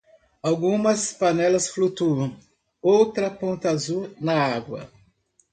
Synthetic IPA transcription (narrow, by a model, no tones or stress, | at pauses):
awɡũmɐspanɛlɐsflut̪uɐ̃w̃ | owt̪ɾɐpõnt̪azunɐaɡwɐ̰